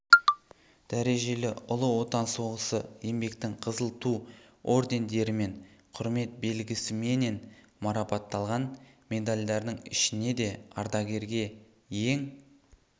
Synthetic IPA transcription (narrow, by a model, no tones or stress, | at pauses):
d̪̥æɾe̞ʒe̞lɪʊlˠəwo̞t̪ɑnso̞ʁəsəje̞mbe̞kt̪ɪŋqʰəzəlˠt̪u | o̞ɾd̪e̞nd̪e̞ɾɪme̞ɴqʰʊɾme̞t̪̚be̞lɡʲɪsɪme̞ne̞n | mɑɾɑpɑt̪ːɑlˠʁɑnmʲe̞d̪alʲd̪ɑɾd̪əɴɪ̰ʃɪne̞d̪e̞ɑ̰ɾd̪ɑɡʲe̞ɾɡʲe̞ | je̞ŋ